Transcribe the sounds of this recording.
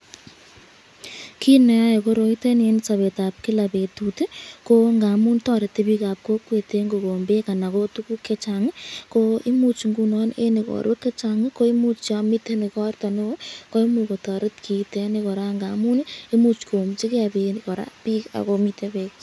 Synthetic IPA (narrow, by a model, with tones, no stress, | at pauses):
ki˦ne˨a˦je˨ko˦ɾo˨i˦te˦ne˦nsa˨βe˨ta˨p̚kɪ˦la˨pe˨tute˦ko˦ŋɡa˨mu˦ntɔ˦ɾɪ˨tːe˦pi˦ka˨p̚ko˦kwe˨te˦ŋɡo˨ko˨mbe˦ka˨na˨ko˦tu˦ku˦kːe˦t͡ʃa˨ŋɪ˦koi˦mu˦t͡ʃŋɡu˦nɔ˦nḛ˦nɪkɔ̰˨ɾwe˦kːe˦t͡ʃa˨ŋɪko˦i˦mu˦t͡ʃa˧mite˦nɪ˨kɔ˦rtɔ˨no˦o˦ko˦i˦muko˨tɔ˨ɾɪ˦tkʰi˨te˨nɪkɔ˨ɾa˦ŋɡa˨mu˦ne˦mu˦t͡ʃko˨mt͡ʃi˦ke˦a˨pe˨nkɔ˨ɾa̰˦pi˦ka̰˨komitepe˦k